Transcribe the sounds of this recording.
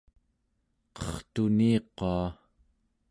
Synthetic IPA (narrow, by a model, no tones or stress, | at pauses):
qʌχt̪uniːqoa